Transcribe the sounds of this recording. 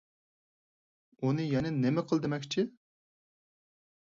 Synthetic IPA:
unɨjɛnɪnemɛqʰəlˠd̪emɛkʲt͡ʃʰi

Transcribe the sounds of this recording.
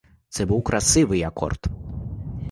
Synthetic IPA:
t̪sɛbuwkɾʔɐsɪʋɪjɐkɔ̰rt̪

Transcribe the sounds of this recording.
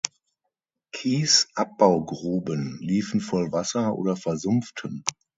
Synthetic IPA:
kʰiːsʔap̚b̥aʊɡʁuːbənliːfn̩fɔlvasɐʔo̰ːdɐfɛɐzʊmftʰən

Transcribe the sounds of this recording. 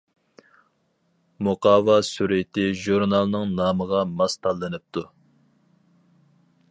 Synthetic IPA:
muqɑːvɑsyɾɪt̪ɪʒuɾnɑlˠnɨŋnɑːməʁɑmɑst̪ʰɑlˠːɨnɨp̚t̪ʰu

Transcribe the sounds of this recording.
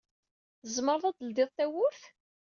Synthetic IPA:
θəzməɾðˤæd̪əld̪ɪðˤθæwʊɾθ

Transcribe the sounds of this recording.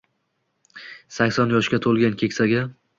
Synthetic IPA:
sakʲsɒnjɒʃɡʲat̪ʰolˠɡʲankʲʰe̞kʲsaɡʲa

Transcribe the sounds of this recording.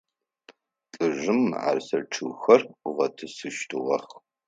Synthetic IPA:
tʼɨʒɨma̰ːrsɐʈ͡ʂʰɨɣxɐrʁɐtʰɨsɨʃtʰɨʁɐχ

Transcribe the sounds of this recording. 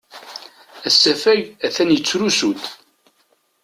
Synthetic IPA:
æsːæfæjæθænjət͡sːɾusut̪

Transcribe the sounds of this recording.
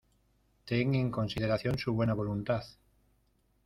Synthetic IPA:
t̪eŋe̞ŋko̞nsið̞e̞ɾaθjo̞nsuβwe̞naβo̞lunt̪aθ

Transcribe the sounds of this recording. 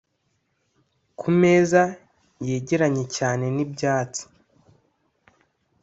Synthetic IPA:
kʰume̞ːza | jeːɟeɾaɲe̞caːne̞nibɟaːt͡si̥

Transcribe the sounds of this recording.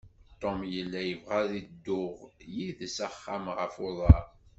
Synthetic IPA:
t̪ˤːomjəlːæjəvʁaðid̪ːʊʁjiðsæχːæmʁəfoðˤɑɾ

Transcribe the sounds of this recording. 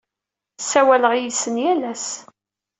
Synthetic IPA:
sæwæləʁjisənjælæs

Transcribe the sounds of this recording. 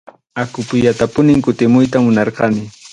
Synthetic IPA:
akʊpʊjat̪apʊnɪŋkʊt̪ɪmʊjt̪amʊnɑɾqɑmɪ

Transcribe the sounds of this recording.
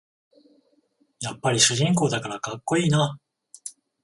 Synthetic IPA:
japːaɾʲiɕɨʑĩŋko̞ːd̪akaɾakakːo̞iːna

